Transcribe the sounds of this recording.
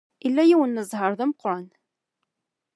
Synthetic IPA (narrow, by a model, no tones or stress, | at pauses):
ilːæjiwənːəzˤhəɾˤðæməqːɾˤan